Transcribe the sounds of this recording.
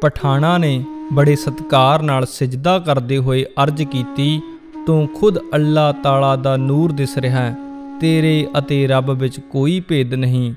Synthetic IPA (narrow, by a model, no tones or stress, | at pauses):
pəʈʰaːɽ̃ãːneːbəɽeːsət̪kaːɾnaːlsɪd͡ʒd̪aːkəɾd̪eːɦoːeːʔəɾd͡ʒkiːt̪iː | t̪ũːkʰʊd̪əlːaːt̪aːlaːd̪aːnuːɾd̪ɪsɾɪɦɛː | t̪eːɾeːʔət̪eːɾəbʋɪt͡ʃkoːiːpeːd̪nəɦĩː